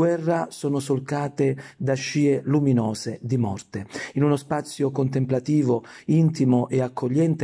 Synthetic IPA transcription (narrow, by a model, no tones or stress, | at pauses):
wɛrːasɔːnʊsolkaːt̪ed̪aʃːiːeluminɔːzed̪imɔrt̪einunospat̪sːjokont̪emplat̪iːvoint̪imoʔeakːoʎːɛnt̪e